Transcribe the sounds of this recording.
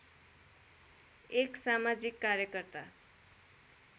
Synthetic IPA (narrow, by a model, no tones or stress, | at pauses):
eksamad͡zikːaɾjʌkʌrt̪a